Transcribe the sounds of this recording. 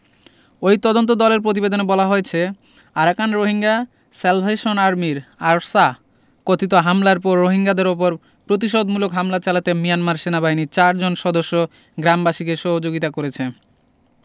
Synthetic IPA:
ojt̪ɔd̪ont̪̬od̪ɔleɾp̬ɾot̪̬ibed̪onebɔlaɦoet͡ɕʰe | aɾakanɾoɦiŋɡa | selpʰeʃonaɾmiɾaɾsa | kot̪ʰit̪oɦamlaɾp̬ɔɾːoɦiŋɡad̪eɾop̬oɾ | pɾot̪̬iʃ̬od̪mulokɦamlat͡ɕalat̪emijanmaɾʃenabaɦinit͡ɕaɾd͡ʑonʃɔd̪oʃːo | ɡɾambaʃikeʃɔɦod͡ʑoɡit̪akoɾet͡ɕʰe

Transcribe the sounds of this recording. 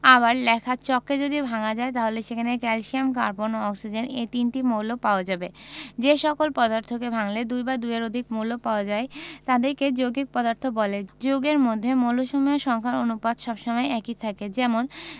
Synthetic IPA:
aβaɾlɛkʰat͡ɕɔkːed͡ʑod̪ibʱaŋad͡ʑaet̪aɦoleʃekʰanekɛlʃiamkaɾpoɾnoɔksid͡ʑenet̪inʈimowlopaoad͡ʑabed͡ʑeʃɔkolpɔd̪aɾt̪ʰokebʱaŋled̪ujbad̪ujeɾod̪ʱikmowlopaoad͡ʑaet̪ad̪eɾked͡ʑoɡik̚pɔd̪aɾt̪ʰobɔled͡ʑoɡeɾmod̪ʱːemoloʃomijoʃɔŋkʰaɾonupad̪ʃɔbʃɔmɔeɛkit̪ʰaked͡ʑɛmon

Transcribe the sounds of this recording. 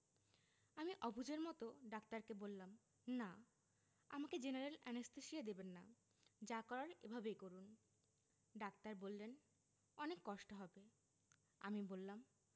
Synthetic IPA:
amiʔɔbʱiud͡ʑeɾmɔt̪oɖak̚t̪aɾkebolːam | na | a̰maked͡ʑenaɾelɛnest̪eʃijed̪ebenːa | d͡ʑakɔɾaɾḛbʱabejkoɾun | ɖak̚t̪aɾbolːen | ɔnekːɔʃʈoɦɔbe | a̰mibolːam

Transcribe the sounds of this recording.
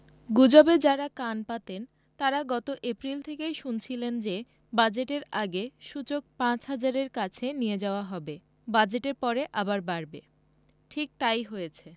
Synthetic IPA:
ɡud͡ʑobed͡ʑaɾakanpat̪en | t̪aɾaɡɔt̪oʔepɾilt̪ʰekejʃunt͡ɕʰilend͡ʑe | bad͡ʑeʈeɾaɡeʃut͡ɕok̚pãt͡ɕɦad͡ʑaɾeɾkat͡ɕʰenijed͡ʑaoaɦɔbe | bad͡ʑeʈeɾpɔɾeʔabaɾbaɾbe | ʈʰik̚t̪ajɦojet͡ɕʰe

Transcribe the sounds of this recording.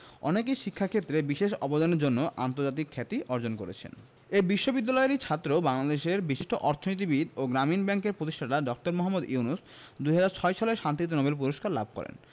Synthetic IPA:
ɔ̰nekejʃikʰːakʰet̪ːɾebiʃeʃɔbod̪aneɾd͡ʑonːoʔant̪oɾd͡ʑat̪ikʰːɛt̪iʔɔɾd͡ʑonkoɾḛt͡ɕʰḛn | ebiʃːobid̪ːalɔeɾit͡ɕʰat̪ːɾobaŋlad̪eʃeɾbiʃiʃʈʰoʔɔɾt̪ʰonit̪̬ibid̪oɡɾaminbɛŋkeɾpɾot̪̬iʃʈʰaʈaɖɔk̚ʈaɾmɔɦamːud̪uunus | d̪ujɦad͡ʑaɾt͡ɕʰɔeʃaleɾʃant̪it̪̬onɔbelp̬uɾoʃkaɾlab̚ʱkɔ̰ɾḛn

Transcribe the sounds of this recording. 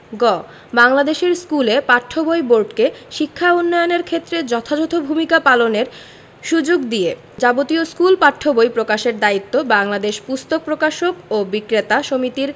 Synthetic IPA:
ɡɔ | baŋlad̪eʃeɾskulepaʈʰːobojboɾɖkeʃikʰːaunːɔjoneɾkʰet̪ːɾed͡ʑɔt̪ʰad͡ʑɔt̪ʰobʱumikapaloneɾ | ʃud͡ʑoɡd̪ije | d͡ʑabot̪ioskulpaʈʰːobojpɾokaʃeɾd̪ait̪ːobaŋlad̪eʃpust̪ok̚pɾokaʃokobikɾet̪aʃomit̪iɾ

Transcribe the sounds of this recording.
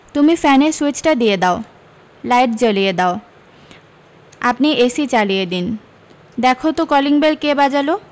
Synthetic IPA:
t̪umifɛneɾsuit͡ɕʈad̪ijed̪ao | lajʈ̚d͡ʑolijed̪ao | a̰pniʔesit͡ɕalijed̪in | d̪ɛkʰot̪okɔliŋbelkebad͡ʑalo

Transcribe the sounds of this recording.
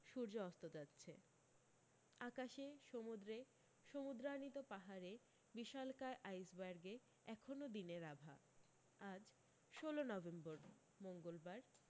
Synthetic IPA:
ʃuɾd͡ʑoɔst̪od͡ʑatːɕʰe | akaʃeʃomud̪ɾe | ʃomud̪ɾanit̪opaɦaɾe | biʃalkaeʔajsbaɾɡe | ɛkʰonod̪ineɾabʱa̰ | ad͡ʑ | ʃolonɔbemboɾ | moŋɡolbaɾ

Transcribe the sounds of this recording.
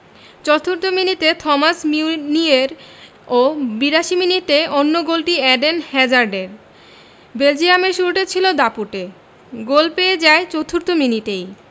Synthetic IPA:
t͡ɕɔt̪ʰːuɾt̪ominit̪et̪ʰɔmasminieɾ | obiɾaʃiminiteonːoɡolʈiɛɖenhɛd͡ʑaɾɖeɾ | beld͡ʑijameʃuɾʈet͡ɕʰilod̪apuʈe | ɡolpejed͡ʑaet͡ɕot̪ʰuɾt̪ominiʈej

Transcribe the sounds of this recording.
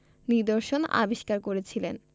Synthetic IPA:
niɾd̪oɾʃona̰biʃkaɾkoɾet͡ɕʰilen

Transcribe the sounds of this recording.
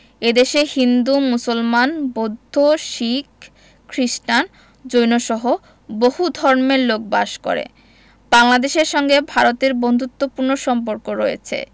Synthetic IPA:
ed̪eʃehind̪umusolmanbod̪ʱːoʃikːʰ | ɾiʃʈan | d͡ʑojnoʃɔɦo | bohud̪ʱɔɾmeɾlok̚baʃko̰ɾḛ | baŋlad̪eʃeɾʃɔŋɡebʱaɾot̪eɾbond̪ʱut̪ːopuɾnoʃɔmp̬oɾkoɾojḛt͡ɕʰḛ

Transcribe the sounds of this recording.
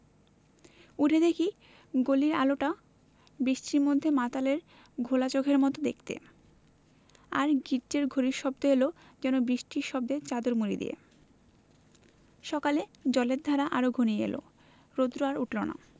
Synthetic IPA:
uʈʰed̪ʱekʰi | ɡoliɾaloʈa | bɾiʃʈʰiɾmod̪ʱːemat̪aleɾ | ɡʱolat͡ɕoɡʱeɾmɔt̪od̪ek̚t̪ḛ | a̰ɾɡiɖd͡ʑeɾɡʱoɾiɾʃɔbd̪oɦelo | d͡ʑɛnobɾiʃʈʰiɾʃɔb̚d̪et͡ɕad̪oɾmuɾḭd̪ḭḛ | ʃɔkaled͡ʑɔleɾd̪ʱaɾaʔaɾoɡʱoniḛlo̰ | ɾod̪ɾoaɾuʈlona̰

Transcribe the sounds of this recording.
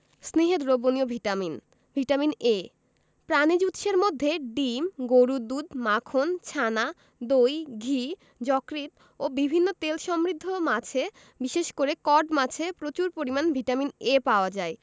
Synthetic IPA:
sniɦet̪ɾoboniobʱiʈamin | bʱiʈamine | pɾanid͡ʑut̪ʃeɾmod̪ʱːeɖimɡoɾud̪ud̪makʰont͡ɕʰana | d̪ojɡʱi | d͡ʑɔkɾit̪ | obibʱinːot̪elʃɔmɾid̪ʱːomat͡ɕʰe | biʃeʃkoɾekɔɖmat͡ɕʰepɾot͡ɕuɾpoɾimanbʱiʈaminepaoad͡ʑae

